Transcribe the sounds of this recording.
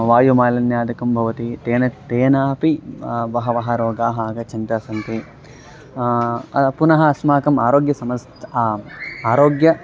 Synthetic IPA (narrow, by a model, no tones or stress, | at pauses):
ʋaːjumaːlɐnjaːd̪ɐkɐmbʱɐʋɐt̪it̪eːnɐt̪eːnaːpiʋɐɦɐʋɐɦɐɾoːɡaːɦɐaːɡɐt͡ʃɐnt̪ɐsɐnt̪i | ɐpunɐɦɐɐsmaːkɐmaːɾoːɡjɐsɐmɐst̪ʰ | aːɾoːɡjɐ